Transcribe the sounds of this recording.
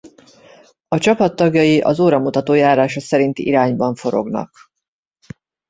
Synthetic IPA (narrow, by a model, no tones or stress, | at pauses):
ɒt͡ʃɒpɒt̪ːɒɡjɒjiʔɒzoːɾɒmut̪ɒt̪oːjaːɾaːʃosɛɾint̪iʔiɾaːɲbɒɱfo̞ɾo̞̰ɡnɒ̰k